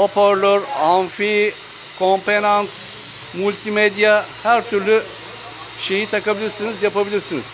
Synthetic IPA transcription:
opøɾlʲøɾanfi | kʰompenant̪ | mulʲt̪ʰimed̪ijahæɾt̪ʰyɾlʲy | ʃe̞jit̪ʰakabilʲiɾsinizjapabilʲiɾsiniz̥

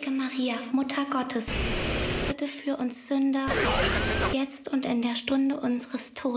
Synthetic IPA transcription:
ɡəmaʁiːamʊtʰɐɡɔtʰəs | ɪtəfyːɐʔʊnsz̥ʏndɐ | jɛt͡stʊntɪndeːɐʃtʊndəʔʊnzəʁəstʰoː

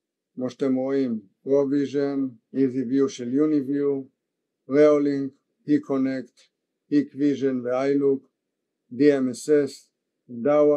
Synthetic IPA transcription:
mɔʃt̪emoimpɾoviʒən | izivjuʃiljunivju | ɾɛolĩŋɡ | hikʰɔnɛkt | hikviʒənvɛajluk | d̪iɛmɛsɛs | d̪awa

